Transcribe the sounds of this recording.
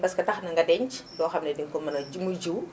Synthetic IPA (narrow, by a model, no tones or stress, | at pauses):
pɐskɐtɐxnɐŋɡɐdɛɲt͡ʃdɔːxɐmnɛdiŋkɔmɐnɐmud͡ʒuw